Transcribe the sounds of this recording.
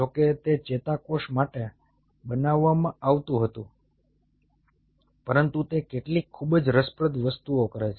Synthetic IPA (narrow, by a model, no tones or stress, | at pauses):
d͡ʒoket̪et͡ʃet̪akoʃmaʈe | bənaʋːamãaʋt̪ũɦət̪ũ | pəɾənt̪ut̪ekeʈlikʰːubəd͡ʒɾəspɾəd̪ʋəst̪uokəɾet͡ʃʰe